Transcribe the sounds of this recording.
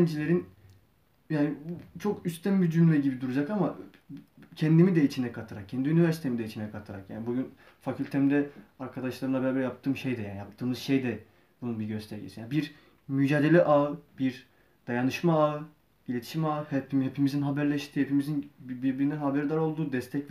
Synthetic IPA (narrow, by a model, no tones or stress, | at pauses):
nd͡ʒilʲeɾin | jaːnit͡ʃʰo̞kyst̪ʰænbid͡ʒynʲmɛɟibid̪uɾud͡ʒakama | cʰɛnd̪imid̪ɛit͡ʃʰind̪ɛkʰat̪ʰɯɾak̚cʰɛnd̪iynivæɾsi̥t̪ʰemid̪ɛit͡ʃʰinɛkʰat̪ʰɯɾa̰kja̰ːnibuɟyn | facʰylʲt̪ʰemind̪ɛaɾkʰad̪aʃlˠaɾɯmˠabɛɾaːbeɾɛjap̚t̪ʰɯːmʃe̞jd̪ɛjaːnjap̚t̪ʰɯːmɯz̥ʃe̞jd̪ɛ | bununbiɟø̞st̪ʰɛɾɟḛsijanbiɾ | myd͡ʒaːd̪elʲɛʔaɯbiɾ | d̪̥ajanɯʃmaaɯ | ilʲet̪ʰi̥ʃimaɯhɛimhepʰimizinɦabæɾlʲɛʃt̪ʰiːhepimizinbibiɾbiɾind̪ɛnhabæɾd̪aɾo̞lˠd̪uːd̪ɛst̪ʰɛc